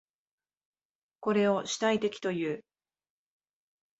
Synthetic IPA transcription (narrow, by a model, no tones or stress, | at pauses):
ko̞ɾe̞o̞ɕi̥t̪ait̪e̞kʲi̥t̪o̞jɯ̟ː